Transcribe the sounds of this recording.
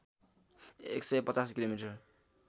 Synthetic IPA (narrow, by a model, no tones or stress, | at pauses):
ḛksʌjpʌt͡saskilomiʈʌr